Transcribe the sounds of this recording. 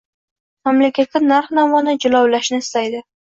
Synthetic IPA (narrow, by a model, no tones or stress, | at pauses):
mamlakʲat̪̚kʲanaɾχnamɒnɪd͡ʒʊlɒwlaʃnɪɪst̪ajd̪ɪ